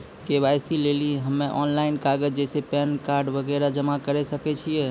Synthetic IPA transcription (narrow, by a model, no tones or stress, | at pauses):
kebajsileliɦəmːeʔɔnlainkaɡəd͡ʒd͡ʒɛsepɛnkaɾɖbəɡɛɾad͡ʒəmakəɾɛsəkɛt͡ʃʰijɛ